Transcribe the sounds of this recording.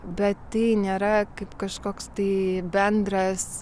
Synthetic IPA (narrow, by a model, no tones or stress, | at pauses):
bʲɛt̪t̪ɐɪnʲeːɾɐkɐɪpkɐʃkoːkst̪ɐɪbʲɛnd̪ɾɐs